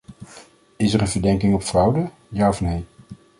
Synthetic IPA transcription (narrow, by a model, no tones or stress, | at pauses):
ɪsɛɹənvəɹdɛŋkɪŋɔpfrɑwdə | jaːɔfnej